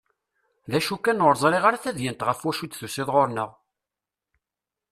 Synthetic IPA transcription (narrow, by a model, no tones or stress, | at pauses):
ðæʃukːænoɾzˤɾiʁaɾæθæðjənt̪ʁəfwæʃut͡s̪ːθusiðʁoɾnəʁ